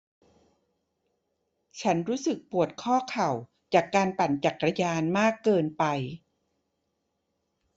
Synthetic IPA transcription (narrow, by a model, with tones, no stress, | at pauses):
t͡ɕʰa˦˥nɾuː˦˥sɯ˨˩k̚pu˨˩ət̪̚kʰɔː˥˩kʰa˨˩w | t͡ɕaː˨˩kːaː˧npa˨˩nt͡ɕa˨˩kɾa˧jaː˧nmaː˥˩kːɤː˧npa˧j